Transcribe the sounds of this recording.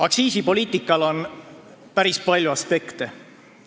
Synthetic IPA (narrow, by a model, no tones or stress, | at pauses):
ɑksiːsipo̞lʲiːt̪ˑikːˑɑlo̞npæɾispɑlʲjuɑspe̞kt̪e